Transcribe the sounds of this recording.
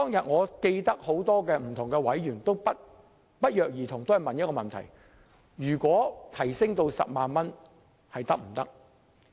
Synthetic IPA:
t̪ɔː˥ŋjɐ˨t̚ŋɔː˨˧ke˧jt̪ɐ˥k̚ho˨˥wt̪ɔː˥kɛː˧m̩˨˩t̪ʰʊ˨˩ŋkɛː˧wɐ˨˥jɥyː˨˩nt̪o˥wpɐ˥t̚ | pɐ˥t̚jœː˨k̚jiː˨˩t̪ʰʊ˨˩ŋt̪o˥whɐ˨jmɐ˨njɐ˥tkɔː˧mɐ˨nt̪ʰɐ̰˨˩j | jyː˨˩kʷwɔː˨˥t̪ʰɐ˨˩jsɪ˥ŋt̪o˧wsɐ̰˨p̚maː˨nmɐ˥n | hɐ˨jt̪ɐ˥k̚m̩˨˩t̪ɐ̰˥k̚

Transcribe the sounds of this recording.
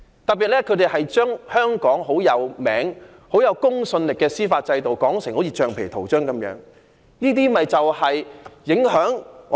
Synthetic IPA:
t̪ɐ˨k̚pːi˨t̚lɛː˥kʰɵ˨˧˥t̪e˨jhɐ˨jt͡ʃœː˥ŋhœː˥ŋkɔː˨˥ŋɦo˨˥wjɐ˨˧wmɛ̰ː˨˥ŋ | ho˨˥wjɐ˨˧wkʊ˥ŋsɵ˧nlɪ˨kːɛː˧siː˥faː˧t̚t͡sɐ˧jt̪o˨wkɔː˨˥ŋsɪ˨ŋho˨˥jʰiː˧t͡ʃœː˨ŋpʰe˨˩t̪ʰo˨˩wt͡ʃœː˥ŋkɐ˨˥mjœ̰ː˨˥ŋ | niː˥t̪iː˥mɐ˨jt͡sɐ˨whɐ˨jjɪ˨˥ŋɦœː˨˥ŋ˨

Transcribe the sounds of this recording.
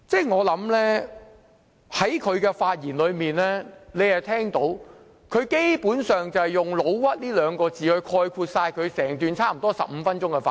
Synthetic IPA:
t͡sɛː˥˩jŋɔː˨˧lɐ˨˥mlɛː˥ | hɐ˨˥jkʰɵ˨˧ɥkɛː˧faː˧t̚jiː˨˩nlɵ˨˧ɥmiː˨nɛː˥le˨˧jhɐ˨˩jt̪ʰɛː˥ŋt̪o˨˥w | kʰɵ˨˧ɥke˥jpuː˨˥nsœː˨ŋt͡sɐ˨hjʊ˨˩ŋlo˨˧˥wwɐ˥t̚liː˥lœː˨˧ŋkɔː˧t͡siː˨hɵ˧ɥkʰɔː˧jkʰuː˧t̚saː˧jkʰɵ˨˧ɥsɛː˨˩ŋt̪yː˨nt͡sʰaː˥m̩˨˩t̪ɔː˥sɐ̰˨p̚m̩ː˨˧˥fɐ˥nt͡ʃʊ˥ŋkɛ˧faː˧

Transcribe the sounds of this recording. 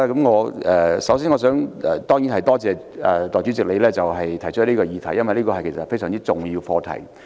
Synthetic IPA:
ɛ˧kɐ˨˥mŋɔː˨˧ɛ˨sɐ˨˥wsiː˥nŋɔː˨˧s̬œː˨˥ŋɛ˨˩t̪ɔː˥ŋjiː˨˥nhɐ˨jt̪ɔː˥t͡sɛː˨˧ | ɛ˨˩t̪ɔː˨˩jt͡sy˨˥t͡sɪ˨k̚le˨˧jlɛː˥t͡sɐ˨wɦɐ˨jt̪ʰɐ˨˩jt͡ʃʰœ˥tliː˥kɔː˧jiː˨˧t̪ʰɐ˨˩jːɐ˥nwʋɐ˨jliː˥kɔː˧hɐ˨jkʰsɐ˨t̚fe˥jsœː˨˩ŋt͡siː˥t͡sʊ˨ŋjiː˧wfɔː˧t̪ʰɐ̰˨˩j

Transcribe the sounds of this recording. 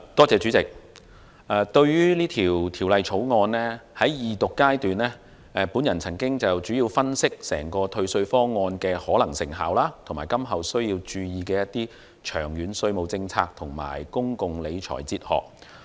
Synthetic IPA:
t̪ɔː˥t͡sɛː˨˧t͡ʃyː˨˥t͡sɪ˨k̚ | ʔɛː˨˧t̪ɵ˧ɥjyː˥liː˥t̪ʰiː˨˩wt̪ʰiː˨˩wlɐ˨jt͡sʰo˨˥wŋɔː˧nlɛː˥hɐ˨˥jjiː˨t̪ʊ˨kːaː˥jt̪yː˨nɛː˥ | ɛ˨˧puː˨˥njɐ˨˩nt͡sʰɐ˨˩ŋkɪ˥ŋt͡sɐ˨wt͡ʃyː˨˥jiː˧wfɐ˥nsɪ˥k̚sɛ̰ː˨˩ŋkɔː˧t̪ʰɵ˧ɥsɵ˧ɥfɔː˥ŋɔː˧nkɛː˧hɔː˨˥lɐ˨˩ŋsɪ˨˩ŋɦa̰ː˨wlaː˥t̪ʰo˨˩maː˨˩jkɐ˥mɦɐ˨wsɵ˥ɥjiː˧wt͡ʃyː˧jiː˨˧kɛː˧jɐ˥t̪ːiː˥ | t͡ʃʰœː˨˩ŋjyː˨˥nsɵ˧ɥmo˨wt͡sɪ˧ŋt͡sʰaː˧k̚t̪ʰʊ˨˩ŋma̰ː˨˩jkʊ˥ŋkʊ˨ŋle˨˧jt͡ʃʰɔ̰ː˨˩jt͡siː˧t̚hɔ̰ː˨˩k̚

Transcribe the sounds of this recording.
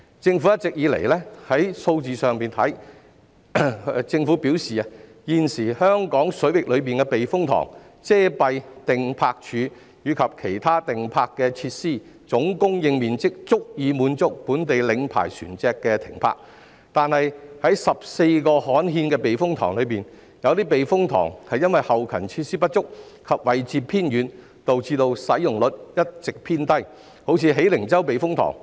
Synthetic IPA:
t͡sɪ˧ŋfu˨˥jɐ˥t̚t͡sɪ˨k̚jiː˨˧lḛ˨˩jlɛː˥hɐ˨˥jso˧wt͡siː˨˧sœː˨ŋpiː˨nt̪ʰɐ˨˥j | t͡sɪ˧ŋfu˨˥piː˨˥wsiː˨a˧ | jiː˧nsiː˨˩hœː˥ŋkɔː˨˥ŋsɵ˨˥ɥwɪ˨k̚lɵ˨˧ɥpiː˨nkɛ˧pe˨jfʊ˥ŋt̪ʰɔ̰ː˨˩ŋ | t͡sɛː˥pɐ˧jt̪ɪ˨ŋpʰaː˧k̚t͡ʃʰyː˨˧ | jyː˨˧kʰɐ˨p̚kʰe˨˩jt̪ʰaː˥t̪ɪ˨ŋpʰaː˧kːɛː˧t͡sʰiː˧t̚siː˥˩ | t͡sʊ˨˥ŋkʊ˥ŋjɪ˧ŋmiː˨nt͡sɪ˥k̚t͡sʊ˥k̚jiː˨˧muː˨˧nt͡sʊ˥k̚puː˨˥nt̪e˨jlɪ˨˧ŋpʰa̰ː˨˩jsy̰ː˨˩nt͡sɛː˧kːɛː˧t̪ʰɪ̰˨˩ŋpʰa̰ː˧˥k̚ | t̪aː˨nhɐ˨jhɐ˨˥jsɐ˨p̚se˧jkɔː˧hɔː˨˥nɦiː˧nkɛː˧pe˨jfʊ˥ŋt̪ʰɔː˨˩ŋlɵ˨˧ɥpiː˨n | jɐ˨˧wt̪iː˥p̬e˨jfʊ˥ŋt̪ʰɔ̰ː˨˩ŋhɐ˨jɐ˥nwɐ˨jhɐ˨wkʰɐ˨˩nt͡sʰiː˧t̚siː˥pɐ˥t̚t͡ʃʊ˥k̚ | kʰɐ˨p̚wɐ˨jt͡siː˨˧pʰiː˥njyː˨˧n | t̪o˨wt͡siː˧t̪o˧wsɐ˨˥jʊ˨˩ŋlɵ˨t̚jɐ˥t̚t͡sɪ˨k̚pʰiː˥nt̪ɐ˥j | ho˨˥wt͡sʰiː˧ɦe˨˥jlɪ˨˩ŋt͡sɐ˥wpe˨jfʊ˥ŋt̪ʰɔ̰ː˨˩ŋ

